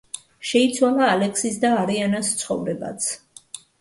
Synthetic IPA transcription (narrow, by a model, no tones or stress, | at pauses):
ʃɛit̪sʰwalˠaːlɛksisd̪aːɾianast̪sʰχɔ̰vɾɛba̰t̪sʰ